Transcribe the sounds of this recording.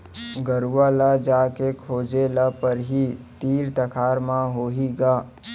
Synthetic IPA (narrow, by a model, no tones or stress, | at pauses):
ɡəɾuʋalad͡ʒaːkekʰoːd͡ʒelapəɾɦit̪iːɾt̪əkʰaːɾmãɦoːɦiɡaː